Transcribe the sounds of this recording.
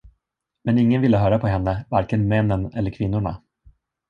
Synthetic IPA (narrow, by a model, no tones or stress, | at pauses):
mɛnɪŋːənvɪlːəɦœːɾapʰɔɦɛnːəvaɾkənmɛnːənɛlːəɾkʰvɪnːʊɳa̰